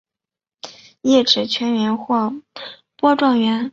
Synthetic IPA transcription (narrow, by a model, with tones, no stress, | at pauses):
jɛ˥˩ʈ͡ʂɻ̩˨˩t͡ɕʰɥɛ˧˥nɥɛ˧˥nxwɔ˥˩ | pwɔ˥ʈ͡ʂwɑ˥˩ŋɥɛ˧˥n